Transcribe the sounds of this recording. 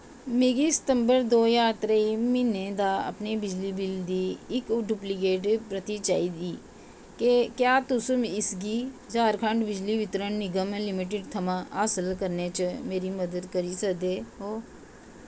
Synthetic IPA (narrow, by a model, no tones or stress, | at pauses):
meːɡisɪ̥t̪ə̃mbəɾd̪oːjaːt̪ɾaimined̪aːɐ̰pnebɪd͡ʒlibɪld̪iɪkɖuplik̬eːʈpɾət̪it͡ʃa̰ːid̪iː | kekjaːt̪ʊsumɪsɡid͡ʒaːɾkʰə̃ɳʈbɪd͡ʒliʋɪt̪ɾəɳnɪɡəmẽlɪmiʈ̬ɪɖt̪ʰɐmãaːsəlkəɾnet͡ʃəmeːɾimɐd̪əd̪kəɾisəkd̪eːɦoː